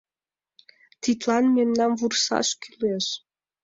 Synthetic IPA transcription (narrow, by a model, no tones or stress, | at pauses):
t̪it̪lɑnmemnɑnvursɑ̰ʃkyleʃ